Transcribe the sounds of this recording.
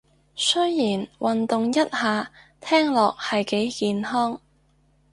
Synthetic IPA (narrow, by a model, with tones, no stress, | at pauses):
sɵ˥jːiː˨˩nwɐ˨nt̪ʊ˨ŋjɐ˥t̚haː˨˧ | t̪ʰɛː˥ŋlɔː˨k̚hɐ˨jke˨˥jkiː˨nɦɔː˥ŋ